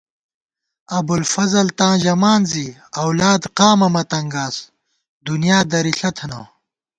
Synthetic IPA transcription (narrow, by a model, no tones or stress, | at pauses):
ɐbulfɐzɐlt̪ãːʑɐmaːnziɐwlaːd̪qaːmɐmɐt̪ɐŋɡaːs | d̪unijaːd̪ɐɾiɬɐt̪ʰɐna